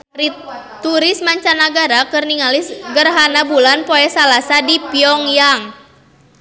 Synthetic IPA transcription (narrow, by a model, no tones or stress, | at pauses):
ri | t̪uɾɪsmaɲt͡ʃanaɡaɾakərniŋalɪsɡərɦanabulanpoɛsalasadipiɔŋjaŋ